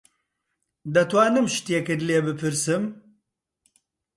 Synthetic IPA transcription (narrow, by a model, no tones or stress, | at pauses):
d̪ɐt̪waːnɨmʃt̪jeːkɨdleːbɨpʰɨɾsɨm